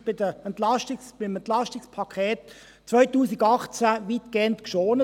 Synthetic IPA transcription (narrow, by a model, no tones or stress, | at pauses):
b̥ɪdəɛnt̪lɑʃtɪsb̥ɪmɛnt̪lɑʃtɪkspʰɑkʰɛːt | t͡sʋœʏtuːsɪɡɑχt͡sæʋiːt̪kɡ̥eːəntkʃoːnə